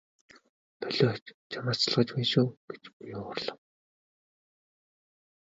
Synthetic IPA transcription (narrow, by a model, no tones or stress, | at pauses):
pœɮɔt͡ɕt͡ɕʰamaːt͡ɕɮʁə̆t͡ɕpæːnʃuːɡ̥et͡ɕpujʊʊrɮə̆w